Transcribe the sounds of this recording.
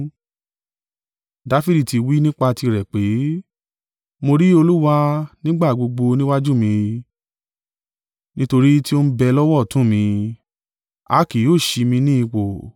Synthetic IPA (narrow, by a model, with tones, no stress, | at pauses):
da˨˦fi˦di˨ti˨˧wi˦nĩ˦k͡pa˧ti˧ɾɛ˨k͡pe˨˦ | mo˧ɾi˦o˧lu˦wa˦nĩ˦ɡ͡ba˦˨ɡ͡bo˧ɡ͡bo˧nĩ˦wa˦d͡ʒu˦mĩ˧ | nĩ˦to˧ɾi˦ti˦o˦ñ̩˦bɛ˧lɔ˦wɔ˦˨tũ˨˦˨mĩ˧ | a̰˨˦ki˨joː˦˨ʃi˧mĩ˧nĩ˦i˧wo˨